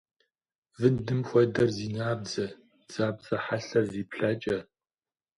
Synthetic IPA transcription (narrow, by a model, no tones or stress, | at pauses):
vɨndɨmxʷɐdɐrziːnaːbd͡zɐ | z̥aːbzɐħaɬɐrziːpɬɐːt͡ʃʼɐ